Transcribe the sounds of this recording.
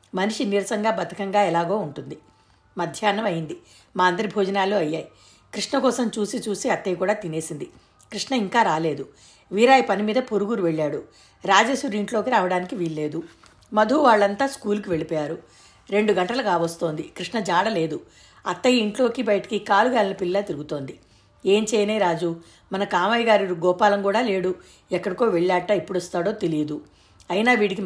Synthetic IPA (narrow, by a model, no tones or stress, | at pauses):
mɐniʂiniɾɐsɐŋɡaːbɐt̪ʰi̥kɐŋɡaːɛlaːɡo̞ːuɳʈund̪i | mɐd̪ʱjaːnːɐmɐjind̪i | maːɐnd̪ɐɾibʱɔːd͡ʒɐnaːloːɐjːaːji | kɾiʂɳɐkɔːsɐmt͡ʃuːsit͡ʃuːsiɐt̪ːɐjkuːɽaːt̪ine̞ːsind̪i | kɾiʂɳɐiŋkaːɾaːle̞ːd̪u | ʋiːɾaːjɐpɐnimiːd̪ɐpoɾuɡuɾuʋe̞ɭːaːɽu | ɾaːd͡ʒeːʃuɾiɳʈlo̞ːkiɾaːʋɐɽaːnikiʋiːɾle̞ːd̪u | mɐd̪ʱuːʋaːɭːɐnt̪aːskuːluk̬iʋe̞ɭipɔːjaːɾu | ɾe̞ɳɖuɡɐɳʈɐlɐkaːʋɐst̪o̞ːnd̪ikɾiʂɳɐd͡ʒaːɽɐle̞ːd̪u | ɐ̰t̪ːɐjiiɳʈlo̞ːkibɐjɐʈɐ̥kikaːluɡaːlinɐpilːaːt̪iɾuɡut̪o̞ːnd̪i | e̞ːɲt͡ʃɛːjɐnejɾaːd͡ʒu | mɐnɐkaːmɐjɡaːɾiɾuɡɔːpaːlɐmkuːɽaːle̞ːɽu | ɛkːɐɽiko̞ːʋeɭːaːʈːaːipːuɽost̪aːɽo̞ːt̪e̞lid̪u | ɐjinaːʋiːɽik̬i